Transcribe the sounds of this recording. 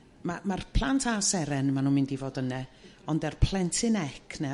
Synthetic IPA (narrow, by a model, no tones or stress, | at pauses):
mamarpʰlˠantʰasɛɾɛnmanuːmɪndivoːdənɛɔndɛrpʰl̥ˠɛntʰɪnɛkʰnɛ